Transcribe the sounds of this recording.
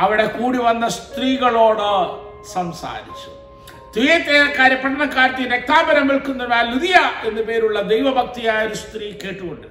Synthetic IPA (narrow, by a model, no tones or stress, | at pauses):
ɐʋiɽe̞kuːɽiʋɐnːɐst̪riːɣɐɭo̞ːɽɨ | sɐmsa̰ːɾit͡ɕːu̥ | t̪ʋijet̪ːeːɾɐkːaːɾɐpːɐʈʰɐɳɐkːaːɾɐt̪ːiɾek̚t̪aːbɐɾɐmʋeɭkunːɐʋaːlːiðijɐʔe̞nːɨpe̞ːɾuɭːɐd̪ejʋɐbʱɐk̚t̪ijaːjoɾust̪riːke̞ːʈːuɣoɳɖɨ